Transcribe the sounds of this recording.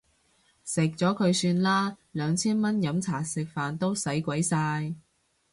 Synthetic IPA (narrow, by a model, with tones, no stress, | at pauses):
sɪ˨k̚t͡sɔː˨˥kʰɵ˨˧ɥsyː˧nlaː˥lœː˨˧ŋt͡sʰiː˥nmɐ˥njɐ˨˥mt͡sʰaː˨˩sɪ˨k̚faː˨nt̪o˥wsɐ˨˥jkʷɐ˨˥jsaː˧j